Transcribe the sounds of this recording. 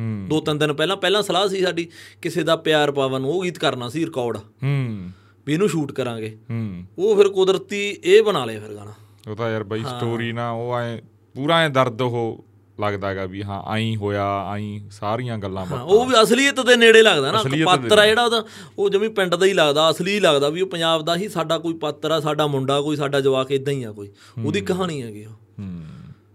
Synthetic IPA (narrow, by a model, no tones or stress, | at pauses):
ɦd̪oːt̪ɪnt̪ɪnpɛːlãːpɛːlãːsəlaːsiːsaːɖiːkɪseːd̪aːpɪjaːɾpaːʋənoːɡiːt̪kəɾnaːsiːɾɪkɔːɾɖaːɦ | biːnũːʃuːʈkəɾãːɡeːoːpʰɪɾkʊd̪ɾət̪iːeːbənaːleaːpʰɪɾɡa̰ːnaː | ot̪aːjəɾbəiːɦsːʈoːɾiːnãːoːẽː | puːɾãːẽːd̪əɾd̪ɦoː | ləɡd̪aːɛɡaːbiːɦã̰ːʔa̰ːĩːɦoːjaːa̰ːĩːsaːɾijãːɡəlːãːpɦːoːʋiːəsliːət̪d̪eːneːɽeːləɡd̪aːnaːpətːəɾɛːd͡ʒeːɽaːd̪aː | oːd͡ʒəʋĩːpɪ̃ɳɖd̪aːiːləɡd̪aːəsliːiːləɡd̪aːʋiːoːpəɲd͡ʒaːbd̪aːɦiːsaːɖaːkoːiːpət̪ːɾɛːsaːɖaːmʊɳɖaːkoːiːsaːɖaːd͡ʒəʋaːkʰeːd̪ãĩːaːkoːiː | oːd̪iːkəɦaːnĩːɛːɡɪoː